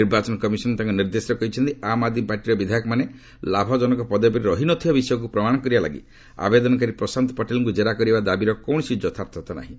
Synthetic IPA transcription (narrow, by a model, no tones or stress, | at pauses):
iɾbat͡ʃɔnɔkɔmisɔnt̪ãŋkɔniɾd̪esɾɔkɔɦit͡ʃʰɔnt̪iamad̪mipaɾʈiɾɔbid̪ʱajɔkɔmane | labʱɔd͡ʒɔnɔkɔpɔd̪epɔɾiɾɔɦinɔt̪ʰiɔbisɔjɔk̬upɾɔmaɽ̃ɔkɔɾibala̰ɡḭ | a̰bed̪ɔnɔk̬aɾipɾɔsant̪ɔ̥pɔʈelɔŋkud͡ʒeɾakɔɾibad̪abiɾɔkɔw̃ɔsid͡ʒɔt̪ʰapt̪ʰɔt̪ɔna̰ɦĩ